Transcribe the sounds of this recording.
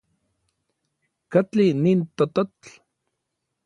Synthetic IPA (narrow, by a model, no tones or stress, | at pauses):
kat͡ɬiniːnt̪ot̪ot͡ɬ